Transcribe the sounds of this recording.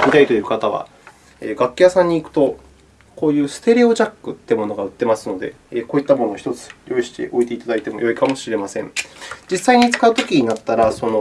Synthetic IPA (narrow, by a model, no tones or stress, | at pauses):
ik̪ʲait̪o̞jɯ̟kat̪aβ̞a̰ | eːɡakʲːijasãɲ̟ːiːkɯ̟̥t̪o̞ | ko̞ːjɯ̟ːsɨ̥t̪e̞ɾʲeo̞ʑakːɯ̟t̪ːeɯmo̞no̞ɡaɯ̟t̪ːe̞masɨno̞d̪e̞̰ːko̞ːit̪ːamo̞no̞ːçi̥t̪o̞t͡sɨ̥jo̞iɕi̥t̪e̞̰ʔo̞it̪e̞it̪ad̪ait̪e̞mo̞jo̞ikamo̞ɕiɾe̞masẽ̞ŋd͡ʑisːaiɲ̟it͡sɨ̥kaɯ̟t̪o̞kʲiɲ̟inat̪ːaɾaso̞no̞